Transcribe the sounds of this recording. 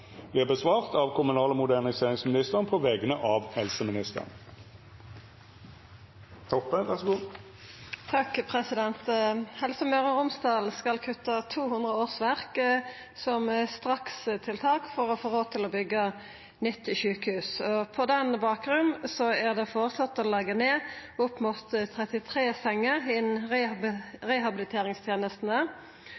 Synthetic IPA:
ʋɪɑbəsʋɑːʁt̪ɑʋkʰʊmʉnɑːləmʊd̪æʁnɪseːʁɪŋsmɪnɪst̪əʁnpʰɔʋɛɡənəʔɑʋhɛlsəmɪnɪst̪ə̰ʁn | t̪ʰɔpːəʋæʁsɡuː | t̪ʰɑkpʰʁɛsɪd̪ɛnt̪hɛlsəmœʁəʁʊmsd̪ɑːlskɑlkʰʉt̪ːɑt̪ʰuːhʉnd̪ʁəoːʁsʋæʁk | sɔmst̪ʁɑkst̪ʰɪlt̪ʰɑːkfɔʁɔfoːʁoːt̪ʰɪlɔbʏɡːə | nʏt̪ːɪʃʉːkəhʉːsɔpʰɔd̪ɛnbɑːkɾʉnsɔæʁd̪ɛfɔʁsɑt̪ːɔlɛɡəneːʊpmʊt̪t̪ʰːʁɛt̪ɪt̪ʰʁeːsɛŋːəʁɪnʁ | ʁɛɦɑbɪlɪt̪ʰeːʁɪŋst̪ʰjeːnəst̪n̩ə

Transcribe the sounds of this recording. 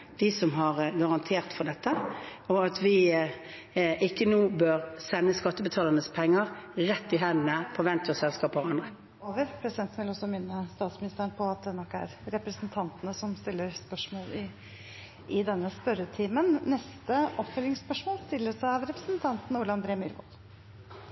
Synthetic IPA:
d̪̥ɪsɔmɦɑʁɡɑʁɑnt̪ʰeːʁt̪fɔʁd̪ɛt̪ːəɔɑt̪ʰʋɪ | ʔɪkːənuːbøʁsɛnːəskɑt̪ːəbət̪ʰɑːləʁnəspʰɛŋːəʁʁɛt̪ːɪɦɛnːəpʰɔʋɛnt̪ʰəsɛlskɑːpɔʁɑnd̪ʁə | oːʋəɾpʰɾɛsɪd̪ɛnt̪n̩ʋɪlɔsɔmɪnːəst̪ɑːt̪smɪnɪst̪əənpʰɔɑt̪̚d̪ɛnɔkːæ̰ɾɾɛpɾəsnt̪ʰɑnt̪ənəsɔmst̪ɪlːəɾspœʂmoːlɪ | ʔɪd̪ɛnːəspœɾət̪ʰiːmənːɛst̪əʔɔpfœlɪŋspœʂmoːlst̪ɪlːəsæɑʋɾɛpɾə̥snt̪ʰɑnt̪n̩uːɭɑɑnd̪ɾeːmyɾʋo̰ːl

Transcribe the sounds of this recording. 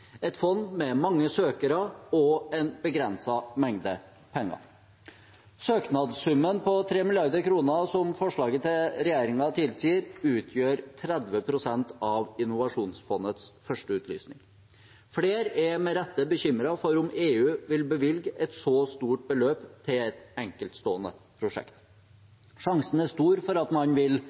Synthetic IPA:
ɛt̪fɔnːmɛmɑŋːəsøːkəɾəɔɛnbəɡɾɛnsɑmɛŋd̪ə | pʰɛŋːɑ̰ | søːknɑd̪sʉmːənpɔt̪ʰɾeːmɪljɑɾd̪əɾkʰɾuːnəsɔmfɔʂɭɑːɡət̪ʰɪlɾɛjeːɾɪŋɑt̪ʰɪlsiːəɾʉːt̪ʰjøːɾt̪ʰɾɛd̪ʋəpʰɾʊsɛnt̪ɑʋɪnʊʋɑʂuːnsfɔnət̪sfœʂʈəʉːt̪ʰly̰ːsnɪ̰ŋ | fleːɾɛmɛɾɛt̪ːəbəçʏmɾɑfɔɾʊmeːʉːʋɪlbəʋɪlɡɛt̪sɔst̪uːʈ̚bəløːpt̪ʰɪlɛt̪ɛŋkəlt̪st̪oːənə̰pʰɾʊʂɛ̰kt̪ | ʂɑŋsən̩æʂt̪uːɾfɔɾɑt̪mɑnʋɪl

